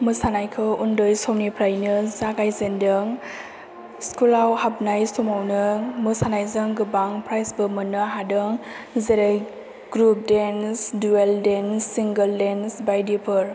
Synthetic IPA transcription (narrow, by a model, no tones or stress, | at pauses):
mɯsanajkʰɯundɔjsɔwnipʰɾajnɯzaɡajzendɯŋ | skulawhab̚najsumawnɯmɯsanajzɯŋɡɯbaŋpʰɾajsbɯmɯnɯɦadɯŋ | zeɾaj | ɡ̥ɾup̚densdueldensːiŋɡəldensbajdipʰɯɾ